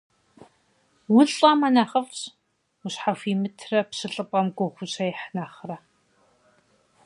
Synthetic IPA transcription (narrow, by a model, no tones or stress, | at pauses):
wʊɬʼɐːmɐnaːχɐfɕ | ʊɕħafiːmɨtʰrɐpɕɨɬʼɨpʼɐmɡʷʼɔχʷʊɕajɪħnaːχrɐ